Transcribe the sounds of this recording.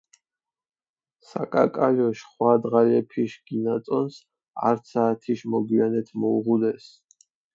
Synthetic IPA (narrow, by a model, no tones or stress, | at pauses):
sa̰kʼa̰kʼalɔʃχwad̪ʁalɛpʰiʃɡ̥inat̪sʼɔns | a̰ɾt̪saːt̪ʰiʃmɔɡianɛt̪ʰmɔuʁud̪ɛs